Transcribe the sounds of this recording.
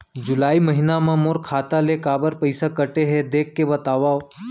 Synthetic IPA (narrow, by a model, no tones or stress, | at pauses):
d͡ʒʊlaːiməɦɪnamãmoɾkʰaːt̪alekaːbəɾpəɪsakəʈeɦɛd̪eːkʰːebət̪aːʋaːo